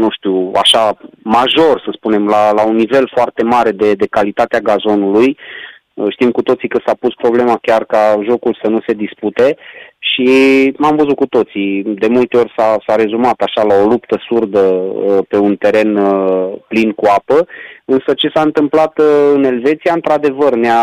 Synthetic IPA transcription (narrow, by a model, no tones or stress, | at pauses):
nuʃt̪iua̰ʃamaʒo̞rsəspune̞mlalaunːive̞lfoart̪e̞maɾe̞d̪e̞d̪e̞kalit̪at̪eaɡazo̞nuluj | ʃt̪imkut̪o̞t̪sikəsapuspɾo̞ble̞makʲarkaʒo̞kulsənuse̞d̪isput̪e̞ʃimamvəzut̪̚kut̪o̞t̪sid̪e̞mult̪eo̞rʲsasaɾe̞zumat̪aʃalao̞lupt̪əsurd̪əpe̞unt̪e̞ɾe̞nplinkuapəɨnsət͡ʃe̞saɨnt̪ɨmplat̪ɨne̞lve̞t̪siaɨnt̪ɾad̪e̞vərnea